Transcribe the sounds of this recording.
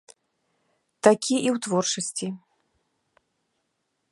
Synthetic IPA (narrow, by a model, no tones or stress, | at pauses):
t̪akʲʰiʔiwt̪vɔrt͡ʂɐsʲt͡sʲi